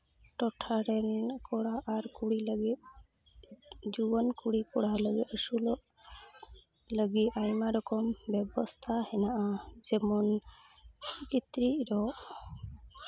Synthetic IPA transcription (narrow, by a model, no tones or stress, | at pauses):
ʈɔʈʰaɾɛnkɔɽaʔaɾkuɽiləɡit̪̚ | d͡ʒubɔnkuɽikɔɽaləɡit̪əsulɔʔ | ləɡiajmaɾɔkɔmbɛbɔst̪ʰahɛnaʔad͡ʒɛmɔn | kit̪ɾiʔɾɔʔ